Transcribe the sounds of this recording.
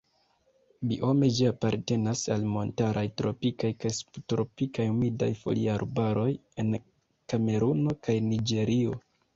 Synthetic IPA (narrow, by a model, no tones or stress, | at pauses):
biʔo̞me̞d͡ʒiapaɾte̞nasalmo̞ntaɾʔajtɾo̞̰pikajkajstɾo̞pikajumida̰jfo̞̰lḭaɾbaɾo̞je̞n | kame̞ɾuno̞kajnid͡ʒe̞ɾʔio̞